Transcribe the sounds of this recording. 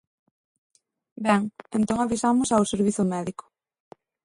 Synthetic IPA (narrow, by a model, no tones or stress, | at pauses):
bɛŋent̪oŋaβisamʊsawseɾβ̞iθʊmɛðikʊ̥